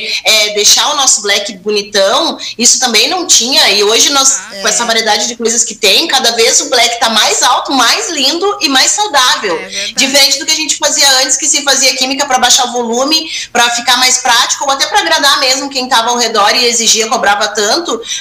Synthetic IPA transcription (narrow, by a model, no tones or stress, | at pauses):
ɛd̪ejʃaʊnɔsʊblɛkɪbonit̪ɐ̃w̃isʊ̥t̪ɐ̃mbẽj̃nɐ̃w̃t͡ʃĩɲɐɪoʒɪnɔskɛsɐvaɾied̪ad͡ʒɪd͡ʒɪkojzɐskɪt̪ẽj̃kad̪ɐvezʊblɛkɪ̥t̪amajzawt̪ʊmajzlĩnd̪ʊʔɪmajsːawd̪avewd͡ʒɪfeɾẽnt͡ʃɪd̪ʊkɪaʒẽnt͡ʃɪ̥faziɐɐ̃nt͡ʃɪ̥skɪsɪfaziɐkimikɐpɾɐbaʃaʊvolũmɪpɾɐfikaɾmajspɾat͡ʃi̥kʊoat̪ɛpɾɐːɡɾad̪amezmʊkẽj̃t̪avɐːwhed̪ɔɾɪeziʒiɐkobɾavɐt̪ɐ̃nt̪ʊ